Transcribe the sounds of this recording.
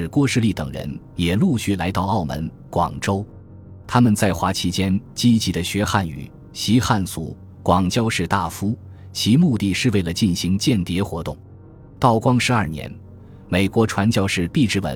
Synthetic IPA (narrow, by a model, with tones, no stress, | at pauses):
ɻ̩˥˧kwɔ˥˧ʂɻ̩˥˧li˥˩t̪ɤ̰˨˩ŋɻə̰˧˥n | jɛ˨˩lu˥˧ɕy˥˩la̰˧˥ɪt̪ɑ˥˧ʊɑ˥˩ʊmə̰˧˥n | kwɑ̰˨˩ŋʈ͡ʂo˥ʊ | t̪ʰa˥mə˨nt͡sa˥˩ɪxwa˧˥t͡ɕʰi˧˥t͡ɕjɛ˥nt͡ɕi˥t͡ɕi˧˥d̪ə˧ɕɥɛ˧˥xa˥˩ny̰˨˩˦ | ɕi˧˥xa˥˩nt͡sṵ˨˩ | kwɑ˨˩ŋt͡ɕjɑ˥ʊʂɻ̩˥˧t̪a˥˩fu˥ | t͡ɕʰi˧˥mu˥˧t̪i˥˧˩ʂɻ̩˥˧we˥˩ɪlə˩t͡ɕi˥˩nɕi˧˥ŋt͡ɕjɛ˥˩nt̪jɛ˧˥xwɔ˧˥t̪ʊ˥˩ŋ | t̪ɑ˥˩ʊkwɑ˥ŋʂɻ̩˧˥ɐ˞˥˩njɛ̰˧˥n | me˨˩ɪkwɔ˧˥ʈ͡ʂʰwa˧˥nt͡ɕjɑ˥˧ʊʂɻ̩˥˧p̪i˥˧ʈ͡ʂɻ̩˥wə̰˧˥